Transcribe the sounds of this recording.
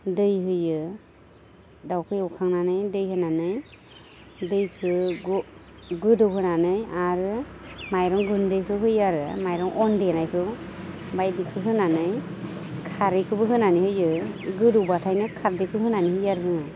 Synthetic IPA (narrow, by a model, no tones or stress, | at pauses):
dɯjɦɯjɯ | dawkʰɯjɔkʰaŋnanɯjdɯjhɯnanɯj | dɯjkʰɯɡ | ɡɯdɯwɦɯnanɯjaɾɯmajɾɔŋɡɯndɯjkʰɯɦɯjaɾɯmajɾɔŋʔɔndɯjanajkʰɯ | bajdikʰɯɦɯnanɯjkʰaɾɯjkʰɯbɯɦɯnanihɯjɯɡɯduwbatʰajnɯkʰaɾdɯkʰɯɦɯnanihɯjaɾzɯŋaj